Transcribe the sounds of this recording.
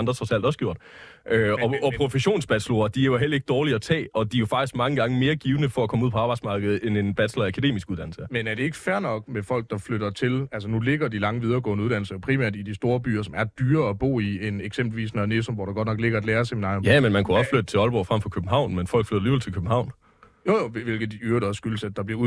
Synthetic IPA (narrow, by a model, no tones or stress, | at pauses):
ɑ̈nd̥ʁɐt͡sʰʁɒsæl̰d̥ɒ̽sɡ̥jo̝ɐ̰d̥ | ʔøɒ̽ɒ̽pʰʁofeɕo̝̰ːnsb̥æd̥sloɐd̥iæjoɦel̰ɐe̝ɡ̥əd̥ɒːliɐːt͡sʰɛ̰ːɒ̽d̥iɐjo̝fɑ̈ɡ̥isɡ̥mɑ̈ŋəɡ̥ɑ̈ŋəme̝ːɐɡ̥iːʊnəfɒ̽ækʰɒ̽muð̰ˠpʰɒ̽ɑ̈b̥ɑ̈ɪdsmɑ̈ːɡ̥əð̞̩ˠene̝nb̥æd̥slɐækʰæd̥e̝̰ːmisɡ̥uð̞ˠd̥æn̰l̩sɐmenæɐɾe̝e̝ɡ̥ə̥fæɐnɒ̽ɡ̥̚mefɒ̽l̰ɡ̥̚d̥ɑ̈fløɾ̥ɐt͡sʰe̝lælsənule̝ɡ̥ɐd̥ilɑ̈ŋəʋið̞ˠɐːɡ̥ɔ̰ːndəuðˠd̥ænl̩sɐjo̝pʰʁimæɐd̥id̥isd̥o̝ːɐb̥y̰ːɐsɒ̽mæɐd̥yːɐːb̥o̝̰ːieneɡ̥sem̰b̥l̩ʋḭːsnæne̝somʋɒ̰ɾ̥ɑ̈ɡ̥ɒ̽d̥nɒ̽ɡ̥le̝ɡ̥ɐæd̥leːɐseminɑ̰̈ːomjæmenmænkʰuɒ̽sflød̥ət͡sʰe̝ɒ̽lb̥ɒ̰fʁɑm̰fɒ̽kʰøb̥n̩ɦɑ̈ʊ̰nmenfɒ̽l̰ɡ̥flød̥ɾɐliːbelˠt͡sʰekʰøb̥̚n̩hɑ̈ʊ̰n | jojoeʋe̝lɡ̥ð̩ˠyɐɾ̥ɑɒsːɡ̥ylsæd̥d̥ɑ̈b̥liɐu